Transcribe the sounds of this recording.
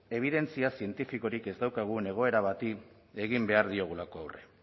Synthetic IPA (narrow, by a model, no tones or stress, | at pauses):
e̞β̞iðe̞nt͡siasie̞nt̪ifiko̞ɾike̞zd̪awkaɣ̞une̞ɣ̞o̞e̞ɾaβat̪i | e̞ɣimbe̞aɾðio̞ɣ̞ulako̞awre̞̰